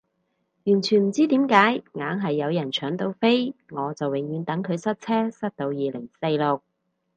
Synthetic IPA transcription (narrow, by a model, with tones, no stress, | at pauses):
jyː˨˩nt͡ʃʰyː˨˩nm̩˨˩t͡siː˥t̪iː˨˥mkaː˨˥jŋaː˨˥ŋɦɐ˨jːɐ˨˧wjɐ˨˩nt͡ʃʰœː˨˥ŋt̪o˧wfe˥jŋɔː˨˧t͡sɐ˨wɪ˨˩ŋjyː˨˧nt̪ɐ˨˥ŋkʰɵ˨˧ɥsɐ˥t̚t͡sʰɛː˥sɐ˥t̚t̪o˧wjiː˨˧lɪ˨˩ŋse˧jlʊ˨k̚